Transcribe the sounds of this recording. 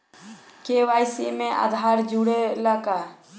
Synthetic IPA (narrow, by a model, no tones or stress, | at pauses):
kɛwajsiʔmɛ̃ʔa̰d̪ʱaɾd͡ʒuɽɛlaka